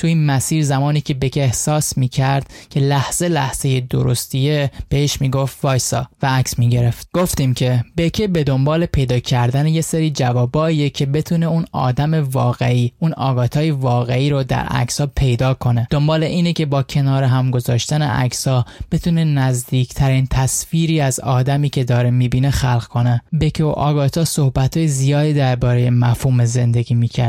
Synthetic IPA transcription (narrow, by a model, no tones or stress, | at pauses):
t̪ʰuinmæsiːɾzæmɒːniːcʰe̞becʰeehsɒːsmiːcʰæɾd̪̥̚cʰe̞læhz̥e̞læ̰hz̥e̞je̞d̪o̰ɾo̞̰st̪ʰijeb̥e̞heʃmiːɡo̞ft̪vɒːjsɒ̰ːvææcsmiːɟe̞ɾe̞ft̪ɡ̥oft̪iːmcʰe̞be̞cʰebe̞d̪o̞mbɒːle̞pʰe̞jd̪ɒːcʰæɾd̪ænejeseɾiːd͡ʒævɒːbɒːijecʲʰe̞be̞t̪ʰuːne̞unɒ̰ːd̪æme̞vɒːɣeiːunɒ̰ːɡɒːt̪ʰɒːjevɒːɣe̞iːɾod̪æ̰ɾæ̰kshɒːpʰe̞jd̪ɒːkʰo̞ne̞d̪o̞mbɒːleʔiːnecʰe̞bɒːcʰe̞nɒːɾeɦæmɡo̞zɒːʃt̪ænḛʔæ̰ksɒːb̥e̞t̪ʰuːne̞næzd̪iːcʰt̪ʰæɾiːnt̪ʰæsfiːɾiːæzɒ̰ːd̪æmiːcʰe̞d̪ɒːɾemiːbiːnexælɣkʰo̞nebe̞cʰeo̰ʔɒːɡɒːt̪ʰɒːso̞hbæt̪ʰɒːjezijɒːd̪iːd̪æɾbɒːɾe̞je̞mæfhuːmeze̞nd̪e̞ɡiːmiːcʰæɾ